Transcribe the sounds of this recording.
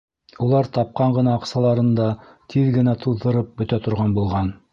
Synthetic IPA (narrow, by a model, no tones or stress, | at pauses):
ulˠɑɾt̪ɑp̚qɑɴɢɤ̆nɑːqsɑlˠɑɾɤ̆nd̪ɑ | t̪ʰiðɡɘ̆næt̪ʰuðːɤ̆ɾɤp̚bɵ̆t̪æt̪ŏɾʁɑnbulˠʁɑn